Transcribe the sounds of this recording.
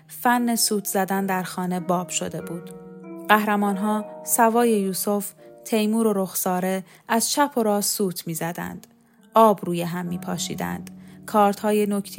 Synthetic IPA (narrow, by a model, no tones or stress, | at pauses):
fænːesuːt̪ʰzæd̪ænd̪æɾxɒːne̞bɒːb̥ʃo̞̰d̪e̞buːd̪̥ɢæhɾæmɒːnɦɒːsævɒːje̞juːso̞ft̪ʰe̞jmuːɾo̞ɾo̞xsɒːɾe̞ | ʔæz̥t͡ʃʰæpʰoɾɒːsuːt̪ʰmiːzæd̪æ̰nd̪̥ | ɒːbruːjeɦæmːiːpʰɒːʃḭːd̪æ̰nd̪̥kʰɒːɾt̪hɒːjenokʰt̪ʰ